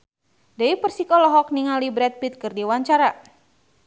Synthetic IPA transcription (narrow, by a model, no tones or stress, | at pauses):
daipərsikɔlɔɦɔk̚niŋalibɾɛt̪̚bit̪̚kɨrdiwaɲt͡ʃaɾa